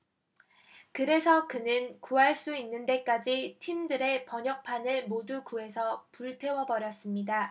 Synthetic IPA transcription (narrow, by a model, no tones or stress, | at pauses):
kɯɾe̞sʰʌkɯnɯnkuɦaɭs͈uinːɯnde̞k͈ad͡ʑitʰindɯɾe̞pʌɲʌk̚pʰanɯɭmodukue̞sʰʌpuɭtʰe̞wʌbʌɾjʌs͈ɯmɲida